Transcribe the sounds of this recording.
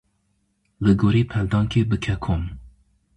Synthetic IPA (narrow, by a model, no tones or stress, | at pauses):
lɨɡoːɾiːpʰɛld̪ɑːŋkʰeːbɨkʰɛkʰom